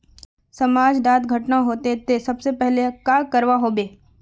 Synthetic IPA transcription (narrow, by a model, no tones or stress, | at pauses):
sɐmaːd͡ʒɖaːt̪ɡʱɐʈnaɦoːt̪et̪esɐbsepɛɦlekaːkɐɾʋaɦoːbeː